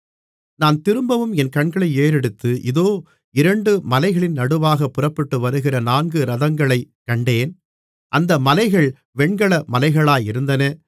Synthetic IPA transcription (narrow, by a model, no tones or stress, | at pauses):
naːnt̪ɪɾɯmbɐʋɯmɛnkɐɳɡɐɭɐɪeːɾɛɽɯt̪ːɯʔɪðoː | ɪɾɐɳɖɯmɐlɐɪɣɐɭɪnnɐɽɯʋaːɣɐpːɯrɐpːɐʈːɯʋɐɾɯɣɪrɐnaːnɡɯɾɐðɐŋɡɐɭɐɪkːɐɳɖeːn | ʔɐnd̪ɐmɐlɐɪɣɐɭ | ʋɛɳɡɐɭɐmɐlɐɪɣɐɭaːjɪɾɯnd̪ɐnɐ